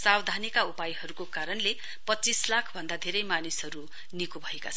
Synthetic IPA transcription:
sawd̪ʱanikaupajɦʌɾukokaɾʌnle | pʌtt͡sislakʰbʱʌnd̪ad̪ʱeɾʌjmanisɦʌɾu | nikobʱʌekat͡sʰʌn

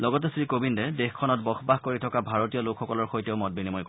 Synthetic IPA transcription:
lɔɡɔtɛsɹikobindɛdexkʰɔnɔt̚bɔxʰbaxkoɹitʰɔkabʱaɹotijɔlokʰxɔkɔlɔɹxojtɛʊmɔt̚binimɔjk

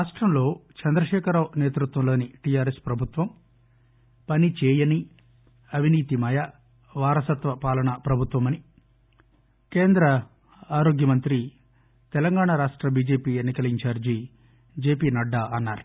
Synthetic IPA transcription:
ɾaːʂʈɾɐmlo̞ːt͡ʃɐnd̪ɾɐʃɛːkʰɐɾaːʋneːt̪ɾut̪ʋɐmlo̞ːniʈijaːɾespɾɐbʱut̪ʋɐm | pɐnit͡ʃɛːjɐni | ɐʋiniːt̪imɐja | ʋaːɾɐsɐt̪ʋɐpaːlɐɳɐpɾɐbʱut̪ʋɐmɐni | keːnd̪ɾɐ | aːɾo̞ːɡjɐmɐnt̪ɾi | t̪ɛlɐŋɡaːɳaɾaːʂʈɾɐbiːd͡ʒe̞ːpiːenːikɐliɲt͡ʃaːɾd͡ʒi | d͡ʒe̞ːpiːnɐɖːaʔɐnːaːɾu

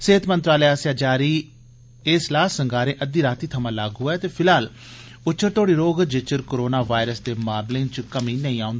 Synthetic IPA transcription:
seːət̪ʰmənt̪ɾaːləːaːsjaːd͡ʒaːɾiː | ɪslaːsəŋɡaːɾẽːʔəd̪iːɾaːt̪iːt̪ʰəmãːlaːɡɦʊɛːt̪eːpʰɪlɦaːl | ʊtːʃʰəɾt̪oːɽiːɾoːɡd͡ʒɪt͡ʃəɾkoːɾoːnaːʋaːɪɾəsd̪eːmaːɾlẽŋt͡ʃkəmĩːnəĩːãːʊ̃nd̪ː

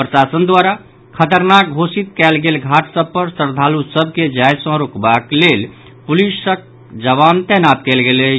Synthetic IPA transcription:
pɾəsasənd̪waɾa | kʰət̪əɾnak̚ɡʱosit̪kɛlɡelɡʱaʈsəb̚pəɾsəɾd̪ʱalusəb̚ʱked͡ʒajsə̃ɾokbaklel | pulisək̚ | d͡ʒəʋant̪ɛɦnat̪̚kɛlɡele

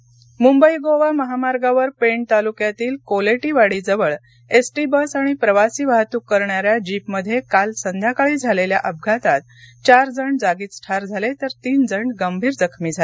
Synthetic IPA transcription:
mumbəjɡoʋaməɦamaɾɡaʋəɾpeɳt̪alukjat̪iːlkoleʈiːʋaɽiːd͡zəʋəɭ | esʈiːbəsaɽ̃ipɾəʋasiːʋaɦt̪uːkːəɾɳaɾjad͡ʑipməd̪ʱːjekalsənd̪ʱjakaɭiːd͡zʱalelja̰ʔəb̚ɡʱat̪at̪̚ | t͡ɕaɾd͡zəɳɖd͡zaɡiːt̪sʈʰaɾd͡zʱalet̪əɾt̪iːnd͡zəɳɖɡəmbʱiːɾd͡zəkʰmiːd͡zʱal

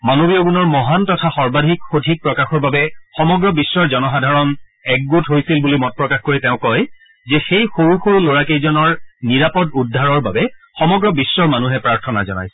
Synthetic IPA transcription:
manobiɔɡunɔɹmɔɦantɔtʰaxɔɹbadʱikxodʱik̚pɹɔkaxɔɹbabɛxɔmɔɡɹɔbisːɔɹzɔnɔxadʱaɹɔn | ɛk̚ɡutɦojsilbulimɔt̚pɹɔkaxkoɹiteʊ̃kɔj | zɛxejxoɹuxoɹuloɹakejzɔnɔɹniɹapɔdudʱːaɹɔɹbabɛxɔmɔɡɹɔbisːɔɹmanuɦɛpɹaɹtʰɔna̰zɔ̰na̰js

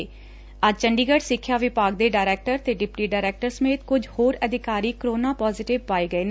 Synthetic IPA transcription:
əd͡ʒt͡ʃəɳɖiːɡəʈsɪkʰːjaːʋɪpaːɡ̚d̪eːɖaːɪɾɛːk̚ʈəɾt̪eːɖɪpʈiːɖaːɾɛːk̚ʈəɾsəmeːt̪kʊd͡ʒhoːɾəd̪ʱɪkaːɾiːkɾoːnaːpɔːzɪʈɪʋpaːiːɡəeːn

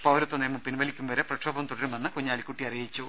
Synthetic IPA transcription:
pɐwɾɐt̪ːɐneːmɐmpinʋɐlikʲːumʋɐɾeprɐʂʰɐbɐmt̪uɽɐɾumɐnːɨkuɲːaːlikʲːuʈːiɐrijit͡ɕːu

